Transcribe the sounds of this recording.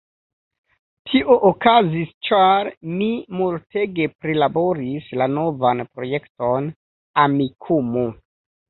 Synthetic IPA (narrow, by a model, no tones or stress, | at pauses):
tʰiʔoʔokazist͡ʃaɾnimulte̞ɡe̞pɾilabo̞ɾislano̞vanpɾo̞je̞kto̞n | amikʰumu